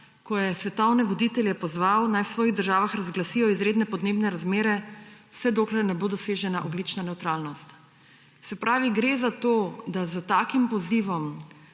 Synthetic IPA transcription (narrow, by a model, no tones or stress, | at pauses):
kɔjɛsʋɛt̪ɔwnɛʋɔd̪it̪ɛljɛpɔzʋawnajwsʋɔːjiɣd̪əɾʒaːʋaxɾazɡlasijɔizɾeːd̪nɛpɔd̪neːbnɛɾazmeːɾɛwsɛd̪oːklɛɾnɛbod̪ɔseʒɛnaʔɔɡlit͡ʃnanɛwt̪ɾaːlnɔst̪ | sɛpɾaːʋiɡɾezat̪od̪azət̪aːkimpɔziʋɔm